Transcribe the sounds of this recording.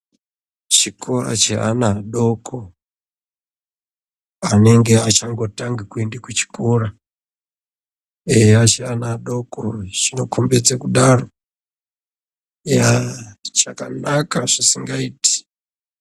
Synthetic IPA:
t͡ʃikora̰t͡ʃea̰naɗo̞kʰo | ane̞ŋɡeat͡ʃaŋɡo̞taŋɡikuendekut͡ʃi̥kora | eat͡ʃeanaɗo̞koʐino̞kʰombed͡zekuɗaro | jat͡ʃakanakaʐisiŋɡaiːti̥

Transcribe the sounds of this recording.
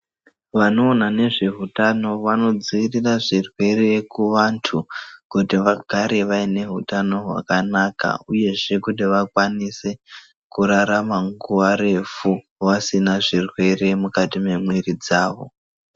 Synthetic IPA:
ʋano̞ːnane̞ʐe̞ɦutano̞ʋano̞d͡ziiriraʐirwe̞ɾe̞kuʋantʰukutiʋaɡʱaɾe̞ʋaine̞ɦutano̞ɦwa̰kanaka̰uje̞ʐe̞kutiʋakwanise̞ | kuɾaɾamaŋɡuʋaɾe̞fu | ʋasinaʐirwe̞re̞mukatime̞mweɾid͡zaːʋo̞̰

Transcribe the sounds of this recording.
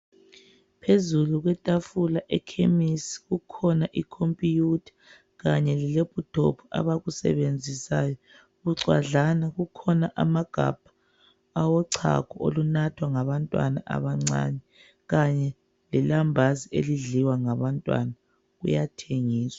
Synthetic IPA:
pʰezuluɣwɛtʼafulaʔɛkʰemisi̥ɣukʰɔnaʔikʰompʼijutʰḁ | ɣaɲɛlɛlepʰʼutʰo̰pʰua̰βaɣusɛ̰βend͡zʱisaːjɔ | ɣuǀwa̰ɮanaɣukʰɔnaʔamaɡ̥ʱa̰b̥ʱḁː | wɔǀʰa̰kʰɔo̰lunatʰwaŋaβantʼwa̰na̰ʔa̰βaŋ͡ǀa̰ːɲɛ | ɣaɲɛ | lɛlambʱaziḛliɮiwaŋaβantʼwa̰na | ɣṵjatʰeŋiːswḁ

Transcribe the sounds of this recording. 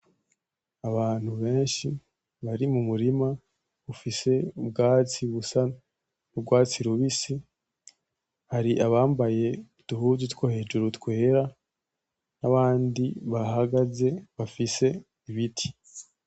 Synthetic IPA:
aβaːn̥huβe̞ːnʃi | βaɾimumuɾima | βufise̞ub̚ɡaːt͡siβusana | ubɡwaːt͡siɾuβisi | haɾiʔaβaːmbaje̞ | tuhuzutkwohe̞d͡ʒuɾutkwe̞ːɾa | naβaːndiβaɦaɡaze̞βafise̞ | iβitʰi̥

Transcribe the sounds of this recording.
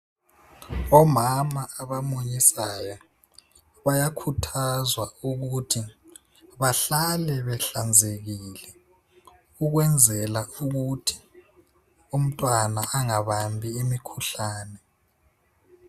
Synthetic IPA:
ɔmamaːβamoɲisajɔ | βajakʰutʰazwauɣutʰi | βaɬalɛβɛɬand͡zʱeɣilɛ | uɣwɛnd͡zʱɛlauɣutʰi̥ | um̩tʼwanaʔaŋaβambʱiːmikʰuɬaːnɛ

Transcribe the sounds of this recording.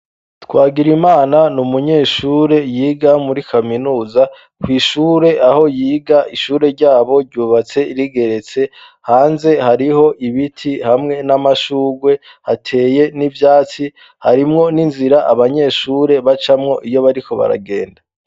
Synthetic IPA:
twaːɡiɾimaːnanumuɲe̞ʃuːɾe̞jiːɡamuɾikʰaminuːza | kwiːʃuːɾe̞ʔaho̞jiːɡaʔiʃuːɾe̞ɾɟaːβo̞ɾɟuːβat͡se̞iɾiɡe̞ɾe̞t͡se̞ | haːnze̞haɾiho̞ʔiβitʰihamŋe̞namaʃuːɡwe̞ | hatʰe̞ːje̞nivjaːt͡si | haɾimŋo̞ninziɾaʔaβaɲe̞ːʃuːɾe̞βat͡ʃamŋo̞ʔijo̞βaɾiko̞βa̰ɾa̰ɡe̞ːnda

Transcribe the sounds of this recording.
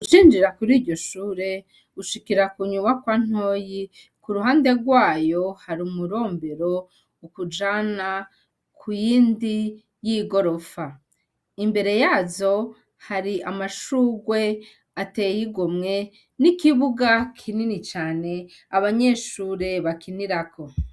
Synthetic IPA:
ut͡ʃiːnd͡ʒiɾakuɾiːɾɟo̞ʃuːɾe̞ | uʃikiɾakuɲuβakwan̥ho̞ːji | kuɾuɦaːnde̞ɾɡwaːjo̞haɾumuɾo̞ːmbeɾo̞ | ukud͡ʒana | kʰujiːndi | jiɡo̞ɾo̞fa | imbe̞ɾe̞jaːzo̞ | haɾiamaʃuːɡwe̞ | atejiɡomŋe̞ | nikiβuɡakʰininit͡ʃaːne̞ | aβaɲe̞ʃuːɾe̞βakiniɾakʰo̞

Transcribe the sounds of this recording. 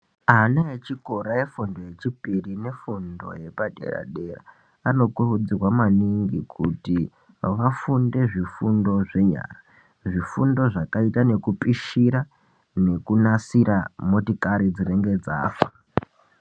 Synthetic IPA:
anaet͡ʃiko̞ɾaje̞fundo̞je̞t͡ʃipirine̞fundo̞̰je̞paɗe̞̰ɾa̰ɗe̞ra̰ | ano̞kurud͡zirwamaniŋɡikʰuti | ʋafunde̞ʐifundo̞ʐe̞ɲa̰ːra | ʐifundo̞ʐakaitane̞kupʼiʃiɾa | ne̞kunasiɾamo̞tikaɾid͡zire̞ŋɡe̞d͡za̰ːfa

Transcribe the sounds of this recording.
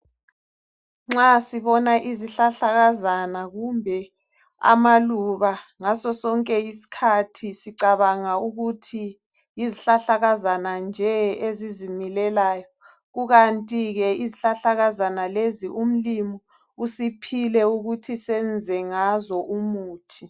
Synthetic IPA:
ŋ͡ǁasiβɔnaʔiziɬaɬaɣazanaɣumbʱɛ | a̰maluβaŋasɔsɔŋkʼɛisi̥kʰatʰisiǀaβaŋauɣutʰi | jiziɬaɬaɣazanand͡ʒʱɛezizimilɛlaːjɔ | ɣuɣantʼiɣɛiziɬaɬaɣazanaleziʔum̩limɔ | usipʰilɛuɣutʰisɛnd͡zʱɛŋazɔʔumuːtʰi

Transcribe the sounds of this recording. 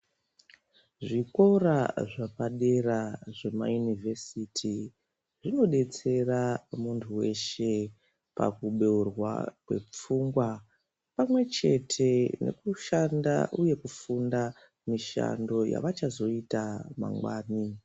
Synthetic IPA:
ʐiko̞raʐapaɗe̞raʐe̞ma̰junivʱesitʰi | ʐino̞ɗe̞t͡se̞ramuntʰuwe̞ʃe̞ | pa̰kuɓeurwa̰kwe̞̰p͡fuːŋɡwa | pamwe̞t͡ʃe̞tʰe̞ne̞̰kuʃandaʔuje̞kufunda | miʃa̰ndo̞ja̰ʋat͡ʃazo̞itama̰ŋɡwaːni

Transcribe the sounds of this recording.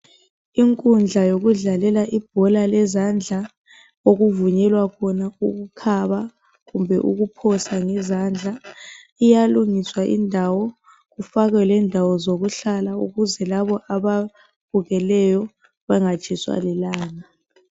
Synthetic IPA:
iŋkʼund͡ɮʱajoɣuɮalɛlaʔib̥̚ʱɔlalɛzand͡ɮʱa | oɣuvuɲɛlwakʰɔnauɣukʰaβa | ɣumbʱɛʔṵɣupʰɔsaŋɛzand͡ɮʱa | ijaluŋiswaʔḭndʱawɔ | ɣufaɣɛlɛndʱawɔzoɣuɬalaṵɣuzɛlaβɔʔaβa | b̥ʱuɣɛlɛjɔ | βaŋḁt͡ʃʰʼiswa̰lɛlaːna

